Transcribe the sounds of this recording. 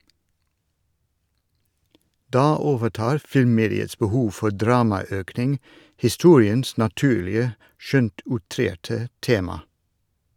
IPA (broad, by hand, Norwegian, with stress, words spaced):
ˈdɑː ˈoːʋəˌʈɑːɾ ˈfɪlmˌmeːdɪəs bəˈhuːʋ ˈfɔɾ ˈdɾɑːmɑˌøːknɪŋ hɪˈstuːɾɪəns nɑˈtʉːlɪə ˈʃœnt ʊˈtɾeːʈə ˈteːmɑ